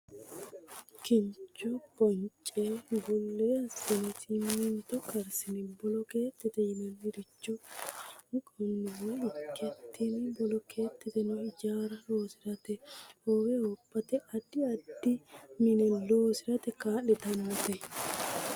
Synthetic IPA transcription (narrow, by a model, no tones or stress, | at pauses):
kɪɲt͡ʃːɔpɔnt͡ʃʼːeːbʊlːeɐsːɪnɪsɪmːɪnt̪ɔkɐɾsɪnɪbɔlɔkeːt̪ːɪt̪ɛjɪmɛnɪɾɪt͡ʃːɔ | nkɔnːɪwɪkʰːɛt̪ʰːɪnbɔlɔke̞ːt̪ːɪt̪ɛnʊɪd͡ʒaːɾɐlo̞ːsɪɾɐt̪ɛoːwɛɔpːɐt̪ɛɐd̪ɪɐd̪ːɪmɪnɛlo̞ːsɪɾɐt̪ɛkaːlɪt̪ɐnːɐt̪ɛ